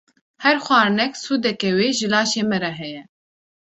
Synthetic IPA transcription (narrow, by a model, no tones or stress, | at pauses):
hɛɾxʷɑːɾnɛksuːd̪ɛkɛweːʒɨlɑːʃeːmɛɾɛɦɛjɛ